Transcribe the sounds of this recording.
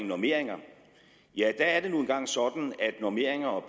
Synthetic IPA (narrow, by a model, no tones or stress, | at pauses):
ŋnɔɐme̝ɐ̰e̝ŋɐ | jæd̥æːɐd̥e̝nuenɡ̥ɑ̈ŋ̰sɒ̽d̥n̩æd̥nɔɐme̝̰ɐ̰e̝ŋɐɒ̽b̥